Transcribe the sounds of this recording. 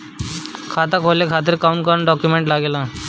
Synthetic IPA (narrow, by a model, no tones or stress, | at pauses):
kʰat̪akʰolekʰat̪̬əɾkaunkəɾɳɖɔkjumeɳʈlaɡela